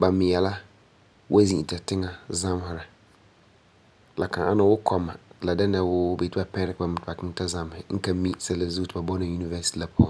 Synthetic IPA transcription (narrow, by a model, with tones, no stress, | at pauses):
ba˨mɪ˨jɛ˨la˦ | wʔa˦zĩ˨i˨ta˨tɪ˦ŋa˨za˦m˦hɪ˨ɾa˨ | la˨kã˨ʔa˦na˨˦wʊ˦kʰɔ˨mːa˨la˨da˦na˨wʊ˦be˨tɪ˦ba˦pɛ̃˦ɾɪ˦kba˨mɪ˦tɪ˨ba˨kɪ˦ŋ˦ta˦za˦m˨hɪ˨ŋ̩˦kã˦mi˦sɛ˦la˨zu˦tɪ˨ba˨bɔ˦na˨ju˦ni˦vɛ˦si̥˦ti˨la˦pʰʊ˦ʊ̃˦